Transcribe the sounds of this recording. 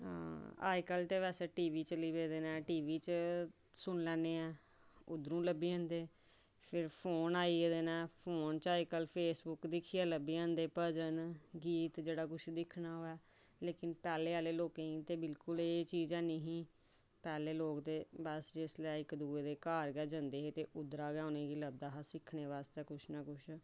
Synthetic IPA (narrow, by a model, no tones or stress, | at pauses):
a̰ːikəlt̪eːʋɛːseːʈiːʋiːt͡ʃəliːbeːd̪eːnɛːʈiːʋiːt͡ʃ | sʊɳlɛːnːeːɛː | ʊ̰d̪ɾũːləbiːə̃ːnd̪eː | pʰɪɾpʰoːnaːiːeːd̪eːnɛːpʰoːnt͡ʃaːikəlpʰeːsbʊkd̪ɪkʰːiːɛːləbiːãːnd̪eːpəd͡ʒənɡiːt̪d͡ʒeːɽaːkʊʃd̪ɪkʰnaːɦoːɛː | leːkɪnpɛːleːaːleːloːkẽːĩːt̪eːbɪlkʊleːt͡ʃiːzɛːnẽɦĩː | pɛːleːloːkd̪eːbəsd͡ʒɪslɛːɪkd̪uːeːd̪eːkaːɾɡɛːd͡ʒə̃nd̪eːɦeːt̪eːʔʊd̪ɾaːɡãːnẽːɡiːləb̚d̪aːɦasɪkʰneːʋaːst̪eːkʊʃnaːkʊʃ